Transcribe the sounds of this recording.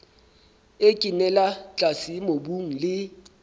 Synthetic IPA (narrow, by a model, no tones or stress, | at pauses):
ekʼinɛlat͡ɬʼasimobuŋ̩lɪ